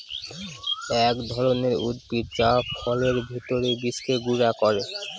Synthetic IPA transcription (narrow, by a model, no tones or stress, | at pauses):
ɛkd̪ʱɔɾoneɾṵd̪̚piɾt͡ɕapʰɔleɾbʱit̪oɾebiskeɡuɾakɔɾe